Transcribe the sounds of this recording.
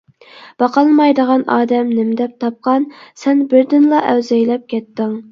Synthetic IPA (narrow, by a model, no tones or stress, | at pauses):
b̥ɑqʰɑlˠmɑjd̪əʁɑnʔɑːd̪ɛmnɪmɪd̪ɛp̚t̪ʰɑp̚qɑnsɛnbɪɾd̪ɪnlˠɑʔɛwzɛjlɛp̚kʲʰɛt̪ːɪŋ